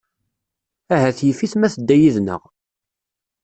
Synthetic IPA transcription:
æɦæθjəfiθmæθəd̪ːæjiðnə̰ʁ

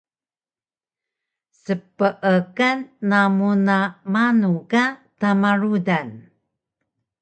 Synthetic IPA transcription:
səpəʔəkanːamunamanukatamaɾudan

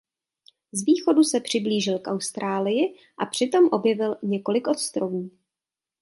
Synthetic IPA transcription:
zviːxo̞dusɛpr̝̥ɪbliːʒɪlkʔawst̪ɾʔaːlɪjɪ | ʔapr̝̥ɪt̪o̞mʔo̞bjɛvɪlɲɛko̞lɪkʔo̞t̪st̪ɾovuuː

